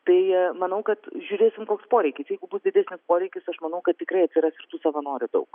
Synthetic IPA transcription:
t̪ɐɪmɐnɐʊkɐt̪ʒʲuːɾʲeːsʲɪmkoːkspoːɾʲɛɪkʲɪsjɛɪɡʊbʊsd̪ʲɪdʲæːsʲnʲɪspoːɾʲɛɪkʲɪsɐʃmɐnɐʊkɐt̪̚t̪ʲɪkɾɐɪɐt̪ʲsʲɪɾɑsʲɪɾt̪uːsɐʋɐnoːɾʲʊd̪ɐ̰ʊk

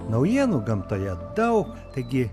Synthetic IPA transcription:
nɐʊjiɛnuɡɐmt̪ojɛd̪ɐʊk | t̪ɐɪɡʲɪ

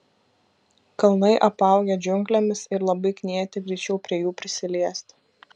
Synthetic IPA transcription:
kɐlˠnɐɪʔɐpɑˑʊɡʲɛd͡ʒʲʊŋʲklʲɛmʲɪsɪɾlˠɐbɐɪknʲiɛt̪ʲɪɡɾʲɛɪt͡ʃʲɛʊpʲɾʲiɛjuːpʲɾʲɪsʲɪlʲiɛst̪ʲ

